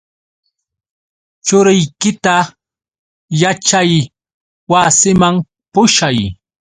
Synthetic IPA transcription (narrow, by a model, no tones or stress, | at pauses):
t͡ʃʊɾɪjkɪt̪a | jat͡ʃaj | wasɪmaŋ | pʊʃaj